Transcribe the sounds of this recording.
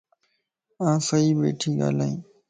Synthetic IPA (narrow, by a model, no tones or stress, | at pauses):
ãːsəiːbḛːʈʰiːɡa̰ːlaːĩː